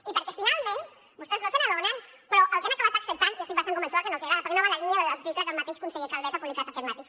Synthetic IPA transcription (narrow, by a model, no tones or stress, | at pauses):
ipəɾkefinalˠmẽn | bust̪ezlosenaðonen | pɾɔʔalkenakaβat̪aksep̚t̪anjast̪ikbasaŋkumẽnsoakenoseɣɾaðapaɾkenoβalalinjaeðazβit̪ezðəlmat̪eʃkunseɣikalβɛt̪apuβlikat̪akeɾnat̪ik